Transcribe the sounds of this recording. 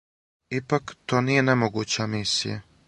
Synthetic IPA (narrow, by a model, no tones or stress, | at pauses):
ipakt̪oːnije̞nemoɡut͡ɕamisḭja̰